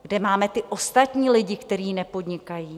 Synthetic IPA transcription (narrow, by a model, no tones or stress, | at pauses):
ɡdɛmaːmɛt̪ɪʔo̞st̪at̪ɲiːlɪɟɪkt̪ɛɾiːnɛpo̞dɲɪkajiː